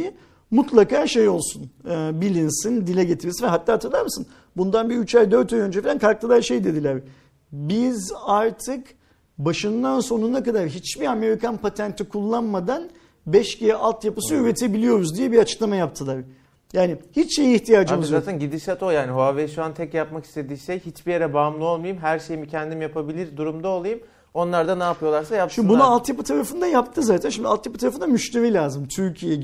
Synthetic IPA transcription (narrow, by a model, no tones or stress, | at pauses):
mut̪lˠakaːʃe̞jo̞lˠsunɯːbilʲinsind̪ilʲɛɟet̪ʰiɾisvɛɦat̪ːaːt̪ʰɯɾlˠaɾmɯsɯn | bund̪anbiyt͡ʃajd̪øɾt̪ʰajønd͡ʒɛfilʲænkʰaɾk̚t̪ʰɯlˠaɾʃe̞jd̪e̞d̪ilʲæɾ | bizaɾt̪ʰɯk | baʃɯnd̪anso̞nunakad̪aɾɦit͡ʃbiame̞ɾikanpʰat̪ʰænt̪ʰikʰulˠːanmad̪an | bɛʃcejɛʔalˠt̪japɯsɯyɾet̪ʰe̞bilʲijo̞ɾuzd̪ijɛbiɾat͡ʃʰɯ̥klˠamajap̚t̪ʰɯlˠaɾ | jaːnihit͡ʃʃe̞jiːçt̪ʰijaːd͡ʒɯmzaːt̪ʰænɟid̪isat̪ʰojaːniɦoavejʃuant̪ʰɛcjapmaki̥st̪ʰe̞d̪iːʃejhit͡ʃbijeɾɛbaːmlˠɯo̞lˠmajɯmɦæɾʃe̞jimicʰɛnd̪imjapʰabilʲiɾd̪uɾumd̪aolˠajɯm | o̞nlˠaɾd̪anaːpɯjo̞lˠaɾsajaʃimbunualˠt̪japɯt̪ʰaɾafɯnd̪ajap̚t̪ʰɯzaːt̪ʰænʃimd̪ialˠt̪japɯt̪ʰaɾafɯnd̪amyʃt̪ʰevilʲaːzɯmt̪ʰyɾcʰijɛ